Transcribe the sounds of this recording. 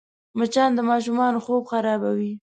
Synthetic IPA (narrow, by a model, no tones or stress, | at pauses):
mat͡ʃɑnd̪əmɑʃ̬umɑnoxobxaɾɑbawi